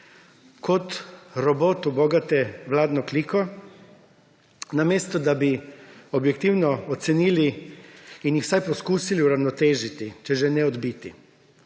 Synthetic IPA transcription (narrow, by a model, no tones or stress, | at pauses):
kɔt̪ɾɔboːt̪ubɔɡat̪ɛʋlaːd̪nɔklikɔ | nameːst̪ɔd̪abiobjɛk̚t̪iwnɔot̪sɛniːliː | njixwsajpɔskuːsiliuɾawnɔt̪eːʒit̪it͡ʃɛʒɛnɛɔd̪bit̪i